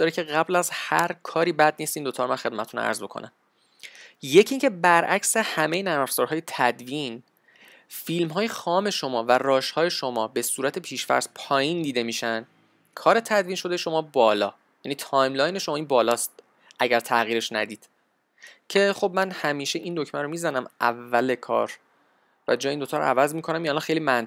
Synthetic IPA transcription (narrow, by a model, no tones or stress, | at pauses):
d̪ɒːɾecʰe̞ɣæblæzhæɾkʰɒːɾiːbæd̪̚niːst̪iːnd̪ot̪ʰɒːɾmænχe̞d̪̚mæt̪t̪ʰunæ̰ɾzbo̞kʰo̰næ̰m | je̞cʰiːŋcʰe̞bæɾʔæcsehæmejenæfz̥ɒːɾɦɒːjet̪ʰæd̪vin | filmɦɒːjexɒːme̞ʃo̞mɒːværɒːʃhɒːje̞ʃo̞mɒːbe̞suːɾæt̪ʰe̞pʰiːʃfæ̰ɾspʰɒːjind̪iːd̪e̞miːʃæn | kʰɒːɾe̞t̪ʰæd̪viːnʃo̞d̪eʃo̞mɒːbɒːlɒ̰ː | jæniːt̪ʰɒːjmlɒːjne̞ʃomɒːiːnbɒːlɒːst̪̚ | ʔæɟæɾt̪ʰæɣiːɾe̞ʃnæ̰d̪iːd̪̥ | cʰe̞χo̞bmænhæmiːʃe̞ʔind̪o̞cʰmænɾo̞miːzænæmævːæle̞kʰɒ̰ːɾ | væ̰d͡ʒɒːjeiːnd̪o̞t̪ʰɒːɾo̰æ̰væzmiːkʰo̞næmiælɒnxejliːmæn